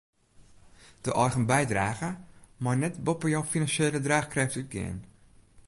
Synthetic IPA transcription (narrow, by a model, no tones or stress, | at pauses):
d̥əʔɔrχənbɛjdraːɣəmɔjnɛtbɔpəjɔwfinanʃeːlədraːχkrɛftyt̚ɡɪ̰ən